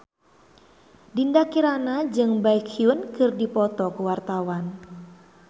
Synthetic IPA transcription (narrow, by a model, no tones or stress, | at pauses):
dindakiɾanad͡ʒɨŋbaikhiwənkɨrdipɔt̪ɔkuwart̪awan